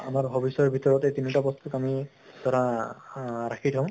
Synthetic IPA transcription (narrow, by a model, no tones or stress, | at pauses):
a̰maɹɦɔbisɔɹbʱitɔɹɔtetinitabɔst̪ukami | dɔɾa | ɹakʰitʰã